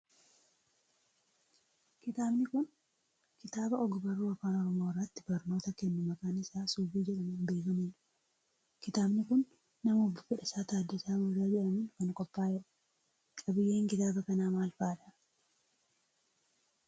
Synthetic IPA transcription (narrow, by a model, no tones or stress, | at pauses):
kɪt̪aːbnɪkʊn | kɪt̪aːbɐɔɡʊbɐrːuːɐfaːnɔɾɔmorːɐt̪ːɪbɐɾno̞ːt̪ɐkɛnːʊmɐkʼaːnɪsaːsuːbiːd͡ʒɛᶑɐmʊnbe̞ːkɐmuːᶑɐ̥ | kɪt̪aːbnɪkʊnː | ɐmʊbːʊfɪᶑɐsaːt̪aːd̪ːɪsaːbɐrːaːd͡ʒɛᶑɐmʊnkɐnkʼɔpːaːjɛɾɐ̥ | kʼɐbɪjːe̞ːŋkɪt̪aːbɐkɐnaːmaːlfaːᶑɐ